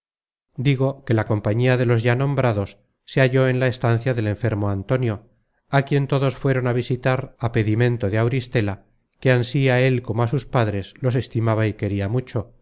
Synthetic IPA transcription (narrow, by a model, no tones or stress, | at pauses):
d̪iɣo̞ke̞lako̞mpaɲiaðe̞lo̞zʝanõ̞mbɾaðo̞sː | e̞aʝo̞e̞nlaest̪an̟θjaðe̞le̞ɱfe̞ɾmo̞ant̪o̞njo̞ | akje̞nt̪o̞ðo̞sfwe̞ɾo̞naβ̞isit̪aɾape̞ðimẽ̞nt̪oðeawɾist̪e̞la | ke̞ansiae̞lko̞moasuspaðɾe̞zlo̞s̬e̞st̪imaβaike̞ɾiamut͡ʃo̞